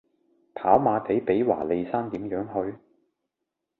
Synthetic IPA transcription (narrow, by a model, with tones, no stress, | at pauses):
pʰaː˨˥wmaː˨˧pe˨˥jpe˨˥jwa̰ː˨˩le˨˧jsaː˥nt̪iː˨˥mjœː˨˥ŋɦɵ˧ɥ